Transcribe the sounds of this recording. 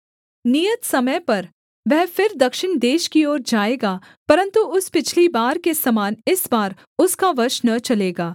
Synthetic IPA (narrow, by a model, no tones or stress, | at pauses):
nijət̪sɐməjpɐɾ | ʋɛɦfɪɾd̪ɐkʃɪɳ̃d̪eːʃkioːɾd͡ʒaːeːɡaː | pɐɾə̃nt̪uʊspɪt͡ʃʰlibaːɾkesɐmaːnɪsbaːɾ | ʊskaʋɐɾʃnɐt͡ʃɐleːɡaː